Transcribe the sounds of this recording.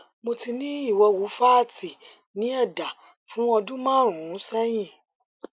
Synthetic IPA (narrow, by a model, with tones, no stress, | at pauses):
mo˧ti˧nĩ˦i˦˨wɔ˧wu˨˦fa˦˨ti˨ | nĩ˨˦ɛ˦˨da˨ | fũ˨˦ɔ˧dũ˦mãː˦˨ɾ̃ũ˨ũ˨˦sɛ˦j̃ĩ˦˨